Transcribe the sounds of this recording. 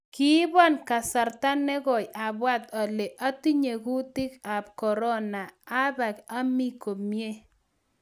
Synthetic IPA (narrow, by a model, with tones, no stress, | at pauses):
kɪ˦bɔ˦nka˨sa˨ɾta˦nɛ˦ɡɔ˨ja˨bwa˦t̪a˨le˨ʔa˦ti˦ɲe˨ku˦tɪ˦ka˨p̚kɔ˨ɾɔ˦na˨a˦ba˨ka˦mi˦ko˨mje˦